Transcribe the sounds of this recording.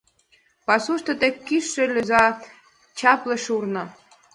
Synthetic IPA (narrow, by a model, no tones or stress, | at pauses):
pɑsuʃt̪ɤ̆t̪ekʲːiʃːelʲøzɑ | t͡ɕɑplĕʃurnɤ̆